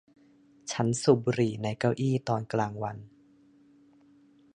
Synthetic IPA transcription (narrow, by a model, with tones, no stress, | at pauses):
t͡ɕʰa˦˥nsu˨˩bu˧ɾiː˨˩na˧jka˥˩wʔiː˥˩t̪ɔː˧nklaː˧ŋwa˧n